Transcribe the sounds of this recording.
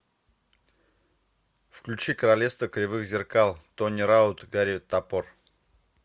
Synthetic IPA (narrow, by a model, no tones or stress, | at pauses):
fklʲʉt͡ɕikəɾalʲefst̪vəkɾʲɪvɨxzʲɪrkalˠt̪onʲiɾaʊt̪ɡaɾʲit̪apor